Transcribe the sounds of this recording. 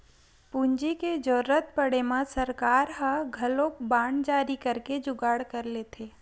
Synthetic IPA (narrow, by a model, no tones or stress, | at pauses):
puɲd͡ʒiked͡ʒoːɾət̪̚pəɽemãsəɾkaːɾɦaɡʱɐlokbaːɳd͡ʒaːɾikəɾked͡ʒʊɡaːɽkəɾlet̪ʰeː